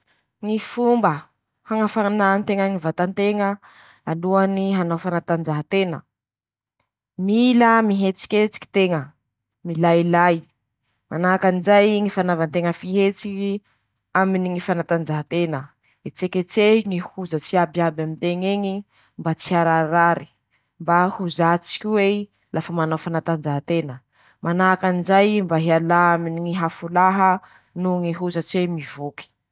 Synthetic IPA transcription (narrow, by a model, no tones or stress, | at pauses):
ŋifumbə | haŋafanant̪eŋəŋivat̪ant̪eŋə | aluaniɦanofanat̪and͡ʒaɦat̪enə̰ | miləmiɦet͡si̥kʲet͡si̥ki̥t̪eŋə | milajilaj | manakanizajŋifanavant̪eŋəfiɦet͡siki | aminiŋifanat̪and͡ʒaɦat̪enə | et͡seket͡seŋihuzət͡siabiabamint̪eŋeŋi | mbat͡siaɾaɾaɾi̥ | mbahuzat͡si̥kʲiwe | lafəmanafanat̪and͡ʒaɦat̪enə | manakanizajmbaɦealaaminiŋiɦafulaɦə | nuŋiɦuzət͡siemivuki̥